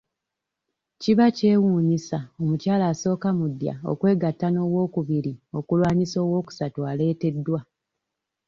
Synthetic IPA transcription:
ciβace̞ːwuːɲisao̞mucaːlaːso̞ːkamudja̰o̞̰kwe̞ːɡatːano̞ːwo̞ːkuβiɾio̞kulwaːɲiso̞ːwo̞ːku̥satuaːle̞ːte̞dːwa

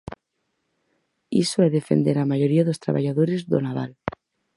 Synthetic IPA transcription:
isoeðefe̞̰nd̪eɾamaʝo̞ɾiaðost̪ɾa̰βa̰ʝaðoɾe̞zðo̰naβa̰l

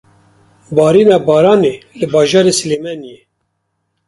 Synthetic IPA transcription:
bɑːɾiːnɑːbɑːɾɑːneːlɨbɑːʒɑːɾeːsɨleːmɛnijeː

